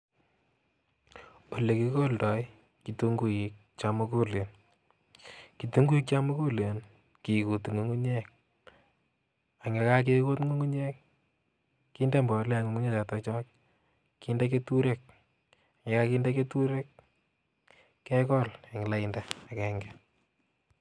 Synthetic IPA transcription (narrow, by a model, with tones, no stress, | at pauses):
o˨le˨ki˦koldɔ˨i | ki˨tu˦ŋɡu˦i˨k̚t͡ʃa˦mu˦ku˦le˨n | ki˨tu˦ŋɡu˦i˦k̚t͡ʃa˦mu˦ku˦le˨n | ki˨ku˨tŋo˨ŋu˦ɲɛ˦k̚ | a˨ŋe˨ka˦k̬e˦ko˦tŋo˦ŋu˦ɲe˦k̚ | kːiː˦nde˦mbɔ˨le˦a˨ŋo˨ŋu˦ɲe˦t͡ʃa˨tɔt͡ʃɔ˦k | ki˦ndak̬e˦tuɾe˦k̚ | a˨ŋe˦ka˦kiː˦nde˦ke˦tuɾe˦k̚ | ɛ˦kɔla˨ŋɪ˨la˦indaa˨kɛŋɡɛ